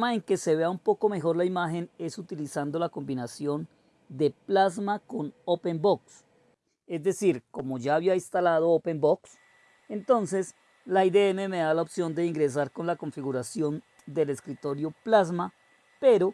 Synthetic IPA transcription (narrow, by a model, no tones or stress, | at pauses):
maeŋke̞seβe̞aumpo̞ko̞me̞xo̞ɾlaimaxe̞ne̞sut̪ilisand̪o̞lako̞mbinasjon | d̪e̞plazmako̞nope̞mboks | e̞zd̪e̞siɾko̞mo̞ʝaːβiainst̪alað̞o̞ope̞mboks | e̞nt̪o̞nse̞s | laid̪eeme̞me̞ðalaopsjo̞nd̪e̞iŋɡɾe̞s̬aɾko̞nlako̞ɱfiɣuɾasjon | d̪e̞le̞skɾit̪o̞ɾjo̞plazma | pe̞ɾo̞